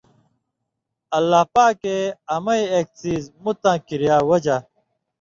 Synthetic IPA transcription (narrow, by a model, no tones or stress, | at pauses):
ɐlːaːpaːkeɐmɐiek̚t͡siːzmut̪ãːkiɾjaːwɐd͡ʑa